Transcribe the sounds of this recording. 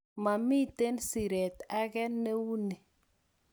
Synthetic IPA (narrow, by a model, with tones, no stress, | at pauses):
ma˨mi˦˨te˦nsi˨ɾɛ˨ta˦ɡɛ˦nːe˦wu˦ni˨